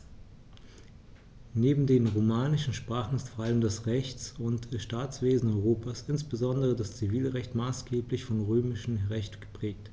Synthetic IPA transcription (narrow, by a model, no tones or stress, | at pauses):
neːbm̩deːnʁomaːnɪʃn̩ʃpʁ̥aːχn̩ɪstfoːɐʔaləmdasʁɛçt͡sʊntʃtaːt͡sv̥eːzn̩ɔʏʁoːpʰasʔɪnsb̥əzɔndəʁədast͡siviːlʁɛçtmaːsɡ̥eːplɪçfɔnʁøːmɪʃn̩ʁɛçtɡ̥ə̥pʁ̥ɛːk̚t